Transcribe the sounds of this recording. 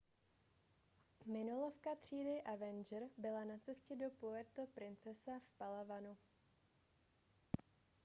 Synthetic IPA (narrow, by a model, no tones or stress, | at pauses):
mɪnolo̞fkat̪r̝̥iːdɪʔavɛnd͡ʒɛɾbɪlanat͡sɛscɛdo̞poɛɾt̪opɾɪnt͡sɛsafpalavanu